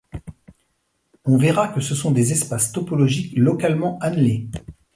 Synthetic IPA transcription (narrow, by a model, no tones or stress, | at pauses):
ɔ̃vɛʁakəsəsɔ̃d̪ezɛspast̪ɔpɔlɔʒiklɔkalmɑ̃anle